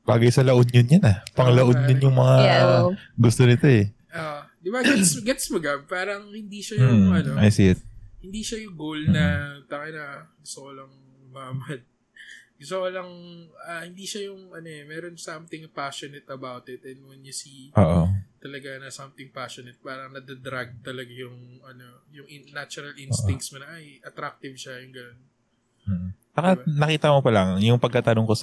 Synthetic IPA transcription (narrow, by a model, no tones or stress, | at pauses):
baːɡɐjsɐlɐʔonjʊnjʊnɐpɐŋlɐʔonjʊnjʊŋmɐŋa | ɡʊst̪o̞nɪt̪o̞ɛ | ʔoʔd̪ɪbaɡɛt̪sɡɛt̪smɐɡɐb̚paːɾɐŋhɪnd̪iʃɐjʊɐnoʔɐjsɪɛt̪̚hɪnd̪iʃɐjʊŋɡowlmnɐt̪ɐŋɐnɐɡʊst̪okolɐŋ | mɐɐmad̪̚ | ɡʊst̪okolɐŋahɪnd̪iːʃɐjʊŋʔɐnoʔɛmɛɾo̞nsɐmt̪ɪŋpaʃonɛt̪ɐbawt̪ɪt̪ɛnwɛnjʊsiʔoːʔot̪ɐlɐɡanɐsɐmt̪ɪŋpaʃonɛt̪̚paːɾɐŋnɐd̪ad̪ɾaɡ̚t̪ɐlɐɡajʊŋʔɐno̞ | jʊŋʔɪnat͡ʃʊɾɐlʔɪnst̪ɪŋkt̪smonɐʔajʔɐt̪ɾak̚t̪ɪvʃɐjʊŋɡɐnon | m̩ːbɐkabnɐkiːt̪ɐmopɐlɐŋjʊŋpɐɡ̚kat̪ɐnoŋkos